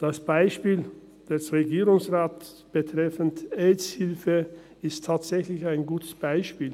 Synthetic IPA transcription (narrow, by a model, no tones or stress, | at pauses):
d̥asb̥aɪʃpiːl | d̥ɛsʁeɡiːʁʊŋsʁaːt | b̥ətʁ̥ɛfəntɛshɪlfə | ɪstʰːaːtz̥ɛçlɪçaɪnɡuːtʰə̥sb̥aɪʃpiːl